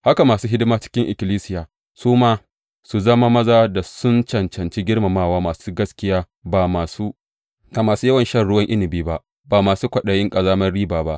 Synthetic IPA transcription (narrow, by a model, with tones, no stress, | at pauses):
ha˦ka˨maː˨suː˦ɦɪ˦dɪ˦maː˦t͡ʃɪ̥˦kʲɪ˦ŋʔɪ˨kʲɪ˨liː˦sɪ˦jaː˨ | suː˦maː˦ | su˨zɐ˦ma˦mɐ˦zaː˦da˨sʊ˦nt͡ʃɐ˨nt͡ʃɐ˨nt͡ʃi˦ɡʲɪ˦ɽma˨maː˦˨waː˦maː˨su˦ɡɐ˦skʲɪ˦jaː˦ | baː˨maː˨suː˦ | ka˨maː˨suː˦jɐ˦wɐ˨nʃɐ˦˨rɽʊ˦wɐ˦ŋʔɪ˦nɪ˨biː˦ba˦ʔ | baː˨maː˨suː˦kʷɐ˨ɗɐ˨jɪ˦ŋkʼɐ˨zaː˦mɐ˦rɽiː˦baː˨ba˦ʔ